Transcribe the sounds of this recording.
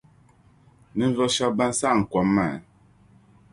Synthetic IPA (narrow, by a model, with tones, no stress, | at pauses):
ni˦n˦vɔ˦ʃa˦bã˦n˦sa˦˨ŋ̩˨kwa˨mːɛ̰˨